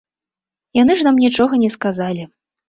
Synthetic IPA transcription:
jan̪ɨʐnamnʲit͡ʂɔɣɐnʲɛskazalʲi

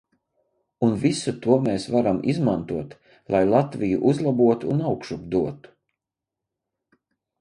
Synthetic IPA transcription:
unvisut̪uɔmeːsvaɾamizmant̪uɔt̪ | lˠajlˠat̪vijuʔuzlˠabuɔt̪uːnawkʃubd̪uɔt̪u̥

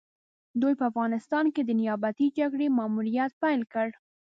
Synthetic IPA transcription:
d̪ojpəafɣɑnɪst̪ɑnked̪ənɪjɑbat̪id͡ʒaɡɽemɑmuɾijat̪̚pajlkəɽ

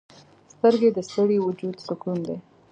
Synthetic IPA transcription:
st̪əɾɡed̪əst̪əɽewud͡ʒud̪sʊkund̪e

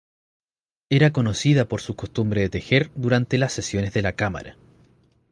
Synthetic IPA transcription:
eɾako̞no̞siðapo̞ɾsuko̞st̪umbɾe̞ðet̪exeɾd̪uɾant̪elasːesjo̞nezðe̞lakama̰ɾa̰

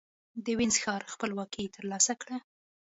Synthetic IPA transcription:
d̪əwɪnzxɑɾxpəlwɑkit̪ʰəɾlɑsakɽa

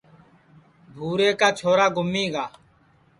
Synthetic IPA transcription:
bʱuːɾeːkaːt͡ʃʰoːɾaːɡʊmːiːɡaː

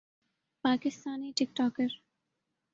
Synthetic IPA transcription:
paːkɪst̪aːniːʈɪk̚ʈɔːkəɾ

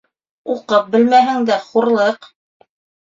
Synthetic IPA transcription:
uqɤp̚bɘ̆lmæɦɘ̆ŋd̪æχuɾlˠɤq

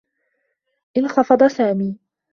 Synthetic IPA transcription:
ʔɪnxɑfɑd̪ˤɑsaːmiː

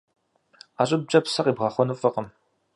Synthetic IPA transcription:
aːɕʼɪb̚d͡ʒʼɐpsɐqʼiːbʁɑːχʷɔnɨfʼɨqəm

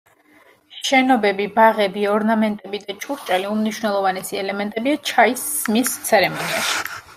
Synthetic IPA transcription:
ʃɛnɔbɛbibaʁɛbiɔɾnamɛnt̪ʼɛbid̪at͡ʃʰuɾt͡ʃʼaliumniʃwnɛlˠɔvanɛsiɛlɛmɛnt̪ʼɛbiat͡ʃʰaisːmist̪sʰɛɾɛmɔniaʃi̥

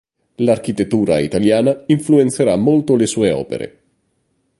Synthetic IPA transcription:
lark̟it̪et̪ːuːɾa̰ḭt̪aljaːnaiɱfluent̪seɾamːolt̪olesuːeɔ̰ːpḛɾḛ

